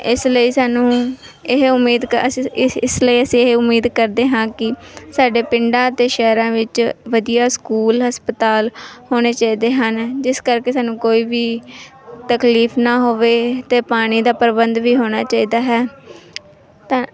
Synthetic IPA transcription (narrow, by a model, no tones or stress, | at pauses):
ɪsləiːsaːnũː | ɪɦʊmːiːd̪kɪsləiːəsĩːɪɦʊmiːd̪kəɾd̪eːɦãːkɪsaːɖeːpɪɳɖãːət̪eːʃɛːɾãːʋɪt͡ʃʋəd̪ijaːskuːlɦəspət̪aːlhoːɽ̃eːt͡ʃaːiːd̪eːɦənd͡ʒɪskəɾkeːsaːnũːkoːiːʋiː | t̪əkliːfnaːɦoːʋeːt̪eːpaːɽ̃iːd̪aːpəɾbənd̪ʋiːɦoːɽ̃aːt͡ʃaːiːd̪aːɦɛː | t̪ãː